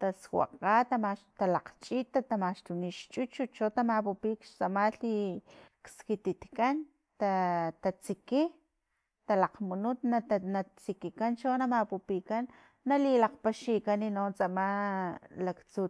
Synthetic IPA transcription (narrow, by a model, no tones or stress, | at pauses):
t̪aswa̰qat̪amaʃt̪alaqt͡ʃʼit̪at̪amaʃt̪uniʃt͡ʃʼut͡ʃut͡ʃot̪amapupikʃt͡samaɬikskit̪it̪kan | t̪at̪at͡siki | t̪alaqmunut̪nanat͡sikikant͡ʃonamapupikanː | alilaqpaʃikaninont͡sama | lakt͡su